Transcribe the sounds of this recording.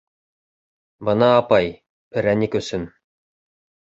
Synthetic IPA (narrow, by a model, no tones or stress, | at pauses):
bɤ̆nɑːpɑj | pɘ̆ɾænikɵ̆sɘn